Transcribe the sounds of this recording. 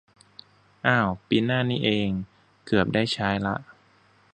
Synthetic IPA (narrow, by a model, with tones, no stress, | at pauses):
ʔaː˧˩wpiː˧˥nːaː˥˩niː˦˥ʔeː˧ŋ | kɯ˨˩əp̚daː˥˩jt͡ɕʰaː˦˥jla˦˥ʔ